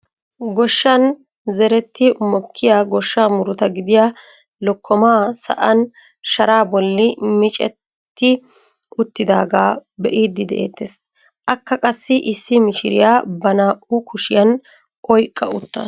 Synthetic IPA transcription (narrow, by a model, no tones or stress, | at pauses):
ɡɔʃːɐn | zɛɾɛt̪ːɪmɔkʰːɪjaːɡɔʃːaːmʊɾʊt̪ɐɡɪd̪ɪja | lɔkʰːɔmaːsɐ̰ʔɐn | ʃɐɾaːbɔlːɪmɪt͡ʃʼɛ̰t̪ːɪ | ʊt̪ːɪd̪aːɡaːbɛʔiːd̪ːɪd̪ɛ̰ʔḛːt̪ːeːs | ʔɐkːɐkʼɐsːɪʔɪsːɪmɪʃɪɾɪjaːbɐnaːʔʊkʊʃɪjɐn | ʔɔjkʼːɐʊt̪ːɐ̰